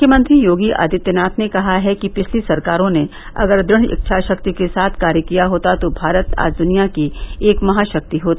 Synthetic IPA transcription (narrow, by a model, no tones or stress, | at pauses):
kʰjəmə̃nt̪ɾijoːɡiʔa̰ːd̪ɪt̪jənaːt̪ʰnekɐɦaɦɛkipɪt͡ʃʰlisɐɾkaːɾõne | ɐ̰ɡəɾd̪ɾɪɽ̃ɪ̰k̚ʃʰaʃɐkt̪ikesaːt̪ʰkaːɾjəkijaɦoːt̪at̪obʱaːɾət̪a̰ːd͡ʒd̪ʊnijakieːkmɐɦaʃɐk̚t̪iɦoːt̪ː